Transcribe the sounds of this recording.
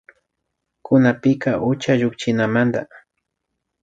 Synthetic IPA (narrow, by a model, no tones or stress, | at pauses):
kʊnapɪkaʔʊt͡ʃaʒʊkt͡ʃɪnamand̪a